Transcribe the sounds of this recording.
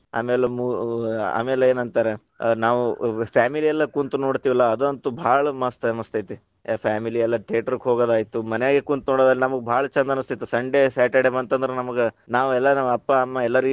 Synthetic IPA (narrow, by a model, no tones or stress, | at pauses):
a̰ːmeːlemua̰ːmeːleeːnɐnt̪aːɾe | naːʋupʰaːmiliɛlːɐkunt̪uno̞ːɽt̪iːʋilːɐːd̪ont̪ubʱaːɭɐmɐst̪ɐɐmɐst̪ɐjt̪i | pʰaːmiliɛlːɐʈeːʈɐɾukɦoːɡoːd̪aːjit̪umɐnɛjaːɡekunt̪unoːɽod̪aːlːenɐmɐɡebʱaːɭɐt͡ʃɐnd̪ɐnɐst̪it̪ːusɐɳɖesaːʈeɽemɐnt̪ɐnd̪ɐɾenɐmɐɡenaːʋuɛlːɐnɐʋɐɐpːaɐmːɐɛlːɐɾi